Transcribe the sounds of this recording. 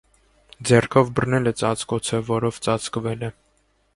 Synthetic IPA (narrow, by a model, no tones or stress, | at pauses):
d͡zɛrkʰɔvbərnɛlɛt͡sɑt͡skɔt͡sʰəvɔɾɔvt͡sɑt͡skvɛlɛ